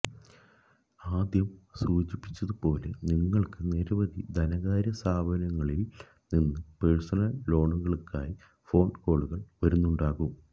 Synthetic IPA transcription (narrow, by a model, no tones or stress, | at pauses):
aːd̪jɐmsuːd͡ʑipːit͡ɕːɐðupo̞ːle̞niŋːɐɭkɨneɾɐʋɐðid̪ʱɐnɐɣaːɾjɐsaːbʱɐnɐŋːɐɭil | ninːɨpeɻsɐnɐlːo̞ːɳuɣɐɭkːaːji | fo̞ːɳɖko̞ːɭuɣɐɭʋɐɾunːuɳɖaːɣum